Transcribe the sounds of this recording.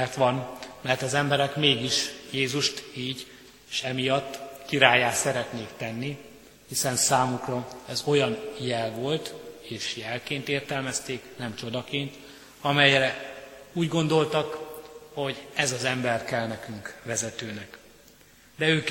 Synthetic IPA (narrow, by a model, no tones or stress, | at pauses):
ɛrt̪ʋɒnmɛrt̪ɒzɛmbɛɾɛkmeːɡiʃjeːzuʃt̪iːɟ | eʃɛmijɒt̪ːkiɾaːjːaːt̪sɛɾɛt̪neːkt̪ɛnːi | hisɛnsaːmukrɒɛzo̞jɒnjɛlvo̞lt̪eːʃjɛlkeːnt̪eːrt̪ɛlmɛst̪eːknɛmt͡ʃo̞d̪ɒkeːnt̪ | ɒmɛjɾɛ | uːɟɡo̞nd̪o̞lt̪ɒkho̞ɟɛzɒzɛmbɛrkɛlnɛkyŋkʋɛzɛt̪øːnɛk | d̪ɛøːk